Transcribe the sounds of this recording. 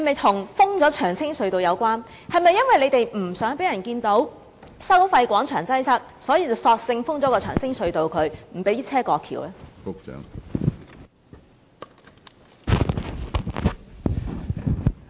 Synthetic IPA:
hɐ˨jmɐ˨jt̪ʰʊ˨˩ŋfʊ˥ŋt͡sɔː˨˥t͡ʃʰœː˨˩ŋt͡sʰɪ˥ŋsɵ˨˧ɥt̪o˨wjɐ˨˧wkʷaː˥n | hɐ˨˩jmɐ˨jːɐ˥nwɐ˨jle˨˧jt̪e˨jm̩˨˩sœː˨˥ŋpe˨˥jɐ˨˩nkiː˧nt̪o˨˥w | sɐ˥wfɐ˧jkʷɔː˨˥ŋt͡ʃʰœː˨˩ŋt͡sɐ˥jsɐ˥t̚sɔː˨˥jiː˨˧t͡sɐ˨˩wsɔː˧k̚sɪ˧ŋfʊ˥ŋt͡sɔː˨˦˥kɔː˧t͡ʃʰœː˨˩ŋsʰɪ˥ŋsɵ˨˧ɥt̪o˨wkʰɵ˨˧ɥm̩˨˩pe˨˥jiː˥t͡sʰɛː˥kɔː˧kʰḭː˨˩wlɛː˦˥fʊ˥k̚t͡ʃœ̰ː˨˥ŋ

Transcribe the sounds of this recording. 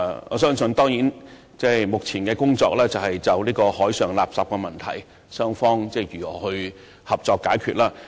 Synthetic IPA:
ŋɔ̰ː˨˧˥sœː˥ŋsɵ˧nt̪ɔː˥ŋjiː˨˥n | t͡sɛː˥˩jmʊ˨k̚t͡sʰiː˨˩nkɛː˧kʊ˥ŋt͡sɔ̰ː˧k̚lɛː˥t͡sɐ˨whɐ˨jt͡sɐ˨wliː˥kɔː˧hɔː˨˥jsœː˨ŋla̰ː˨p̚saː˨˩p̚kɛ˧mɐ˨nt̪ʰɐ̰˨˩j | sœː˥ŋfɔː˥ŋt͡sɛː˥˩jyː˨˩ɔː˨˩hɵ˧ɥ | hɐ˨p̚t͡sɔː˧kːaː˨˥jkʰyː˧t̚laː˧

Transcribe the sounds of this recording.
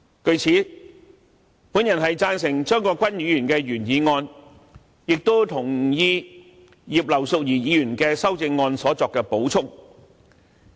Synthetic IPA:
kɵ˧ɥt͡sʰiː˨˥ | puː˨˥njɐ˨˩nɦɐ˨jt͡saː˧nsɪ˨˩ŋt͡ʃœː˥ŋkɔː˧kʷɐ˥nɥyː˨˧jyː˨˩nkɛː˧ɥyː˨˩njiː˨˧ŋɔː˧n | jɪ˨k̚t̪o˥t̪ʰʊ˨˩ŋjiː˧ | jiː˨˩p̚lɐ˨˩wsʊ˨k̚jiː˨˩jiː˨˧jyː˨˩nkɛː˧sɐ˥wt͡sɪ˧ŋːɔː˧nsɔː˨˥t͡sɔː˨kːɛː˧po˨˥wt͡sʰʊ˥ŋ

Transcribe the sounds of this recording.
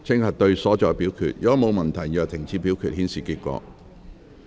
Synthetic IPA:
t͡sʰɪ˥ŋhɐ˨t̚t̪ɵ˧ɥsɔː˨˥t͡ʃɔː˨˧pi˨˥wkʰy̰˨t̚jɔ˨˧˥mo˨˧wmɐ˨nt̪ʰɐ˨˩jjœː˨k̚t̪ʰɪ˨˩ŋt͡sʰiː˨˧piː˨˥wkʰyː˨t̚hiː˨˥nsiː˨˩kiː˧t̚kʷɔ̰ː˧

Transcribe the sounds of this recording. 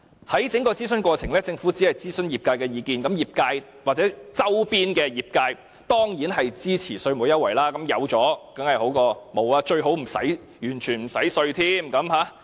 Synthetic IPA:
hɐ˨˥jt͡sɪ˨˥ŋkɔː˧t͡siː˥sɵ˥nkʷɔː˧t͡sʰɪ˨˩ŋlɛː˥t͡sɪ˧ŋfu˨˥t͡siː˨˥hɐ˨jt͡siː˥sɵ˥njiː˨˩p̚kaː˧jkɛː˧jiː˨˧kiː˨nkɐ˨˥mjiː˨p̚kaː˧j | waː˨k̚t͡sɛː˨˥t͡sɐ˥wpiː˥nkɛː˧jiː˨˩p̚kaː˧j | t̪ɔː˥ŋjiː˨˥nɦɐ˨jt͡siː˥t͡sʰiː˨˩sɵ˧ɥmu˨˧˥jɐ˥wɐ˨˩jlaː˦˥kɐ˨˥mjɐ̰˨˧˥wt͡sɔː˨˥kɐ˨˥ŋhɐ˨jho˨˥wkɔː˧mo˨˧waː˧t͡ʃɵ˧ɥɦo˨˥wm̩˨˩sɐ̰˨˥j | jyː˨˩nt͡ʃʰyː˨˩nm̩˨˩sɐ˨˥jsɵ˧ɥt̪ʰiː˥mkɐ˨˧˥mhaː˨˥

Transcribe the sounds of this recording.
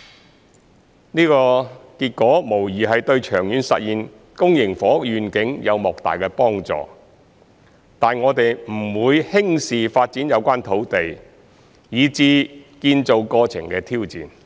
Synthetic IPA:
niː˥kɔː˧kiː˧t̚kɔː˨˥mo˨˩wjiː˨˩ɦɐ˨jt̪ɵ˧ɥt͡ʃʰœː˨˩ŋjyː˨˧nsɐ̰˨t̚jiː˨n | kʊ˥ŋjɪ˨˩ŋfɔː˨˥jyː˨nkɪ˨˥ŋjɐ˨˧wmɔː˨˩k̚t̪a̰ː˨jkɛ˧pɔː˥ŋt͡sɔ̰ː˨ | t̪aː˨nŋɔː˨˧t̪e˨jm̩˨˩wuː˨˧jhɪ˥ŋsiː˨faː˧t̚t͡si˨˥njɐ˨˧wkʷaː˥nt̪ʰo˨˥wt̪e˨j | jiː˨˧t͡siː˧kiː˧nt͡so˨˧wkɔː˧t͡sʰɪ̰˨˩ŋkɛː˧t̪ʰiː˥wt͡sḭː˨n

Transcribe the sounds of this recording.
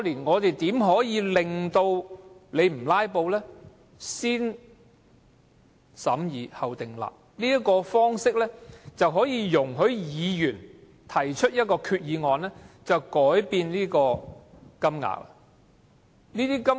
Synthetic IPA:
liː˨˩nŋɔː˨˧t̪e˨jt̪iː˨˥mɦɔː˨˥jiː˨˧lɪ˨ŋt̪o˧wle˨˧jm̩˨˩laː˥jpo˧wlɛː˥ | siː˥n | sɐ˨˥mjiː˨˧hɐ˨˩wt̪ɪ˨˩ŋla̰ː˨p̚niː˥jɐ˥t̚kɔː˧fɔː˥ŋsɪ˥k̚lɛː˥t͡sɐ˨wɦɔː˨˥jiː˧jʊ˨˩ŋɦɵ˨˥ɥjiː˨˧jyː˨˩n | t̪ʰɐ˨˩jt͡ʃʰɵ˥t̚jɐ˥t̚kɔː˧kʰyː˧t̚jiː˨˧ŋɔː˨nlɛː˥t͡sɐ˨wkɔː˨˥jpiː˧nliː˥kɔː˧ | kɐ˥mŋa̰ː˨˩w̚ɐ˨ | niː˥t̪iː˥kɐ˥

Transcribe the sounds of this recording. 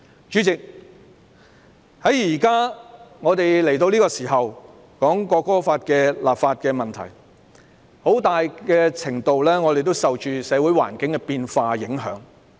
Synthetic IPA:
t͡ʃyː˨˧˥t͡sɪ˨k̚ | hɐ˨˥jjiː˨˩kaː˥ŋɔː˨˧t̪e˨jle˨˩jt̪o˧wliː˥kɔː˧siː˨˩ɦɐ˨w | kɔː˨˥ŋkɔː˧kɔː˥faː˧t̚kɛː˧laː˨p̚faː˧t̚kɛː˧mɐ˨nt̪ʰɐ̰˨˩j | ho˨˥wt̪aː˨jkɛː˧t͡sʰɪ˨˩ŋt̪o˨wlɛː˥ŋɔː˨˧d̪e˨jt̪o˥wsɐ˨wt͡ʃyː˨˧sɛː˨˧wu˨˥jwa̰ː˨˩nkɪ˨˥ŋkɛ˧piː˧nfaː˧jɪ˨˥ŋɦœ̰ː˨˥ŋ

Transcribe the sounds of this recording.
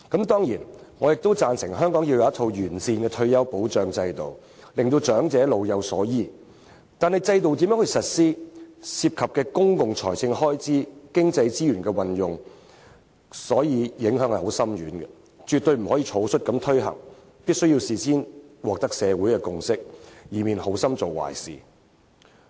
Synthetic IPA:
kɐ˨˥mt̪ɔː˥ŋjiː˨˩nŋɔː˨˧jɪ˨k̚t̪o˥wt͡saː˧nsɪ˨˩ŋɦœː˥ŋkɔː˨˥ŋjiː˧wjɐ˧wjɐ˥t̪ʰo˧wjyː˨˩nsiː˧nkɛː˧t̪ʰɵ˧ɥjɐ˥wpo˨˥wt͡ʃœː˨˧ŋt͡sɐ˧jt̪o˨w | lɪ˨ŋt̪̬o˧wt͡ʃœː˨˥ŋt͡sɛː˨˥lo˨wjɐ˨˧wsɔː˨˥jiː˨˧ | t̪aː˨nhɐ˨jt͡sɐ˧jt̪o˨wt̪̬i˨mjœ˨˥ŋhɵ˧jsɐ˨t̚siː˥si˧p̚kʰɐ˨p̚kɛː˧kʊ˥ŋkʊ˨ŋt͡sʰɔ̰ː˨˩jsɪ˧ŋhɔː˥jt͡siː˥kɪ˥ŋt͡sɐ˧jt͡siː˥jyː˨˩nkɛː˧wɐ˨njʊ˨ŋ | sɔː˨˥jiː˨˧jɪ˨˥ŋɦœː˨˥ŋhɐ˨jho˨˥wsɐ˥mɥyː˨˥nɡɛ˧ | t͡ʃyː˨t̪̚ɵ˧ɥm̩˨˩hɔ˨˥jiː˧t͡sʰo˨˥wsʰɵ˥t̚kɐ˨˧˥mt̪ʰɵ˥ɥɦɐ̰˨˩ŋ | pi˥t̚sɵ˥ji˧wsiː˨siː˥nwɔː˨k̚t̪ɐ˥k̚sɛː˨˧wuː˨˥jkɛ˧kʊ˧ŋsɪ˥k̚jiː˨˩miː˨nho˨˥wsɐ˥mt͡so˨wwa̰ː˨˩jsḭː˨

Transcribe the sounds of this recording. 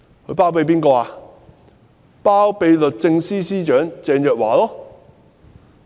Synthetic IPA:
kʰɵ˧ɥpaː˥wpe˧jp̬iː˥nkɔː˧aː˨˧ | paː˥wpe˨˧jlɵ˨˩t̚t͡sɪ˧ŋsiː˥siː˥t͡ʃœː˨˥ŋt͡sɛː˧njœː˨k̚waː˨˥lɔː˥

